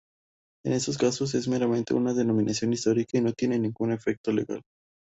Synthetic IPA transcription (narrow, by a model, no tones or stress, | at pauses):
e̞̰ne̞st̪o̞s̬kasos̬e̞zme̞ɾamẽ̞nt̪e̞̰unaðe̞no̞mĩnasjo̞nist̪o̞ɾikaino̞t̪je̞ne̞nĩŋɡune̞fe̞k̚t̪o̞le̞̰ɣa̰l